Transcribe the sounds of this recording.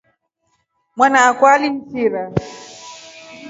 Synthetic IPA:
mwanaːkwalim̩siɾa

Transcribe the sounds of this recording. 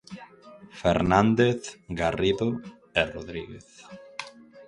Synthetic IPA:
fḛɾnãnd̪eθɡariðo | eroðɾiɣḛθ

